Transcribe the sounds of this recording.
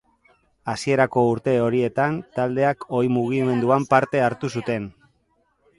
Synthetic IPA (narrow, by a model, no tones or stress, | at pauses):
asie̞ɾako̞uɾt̪e̞o̞ɾie̞t̪ant̪ald̪e̞ako̞jmuɣ̞ime̞nd̪uampaɾt̪e̞aɾt̪usut̪e̞n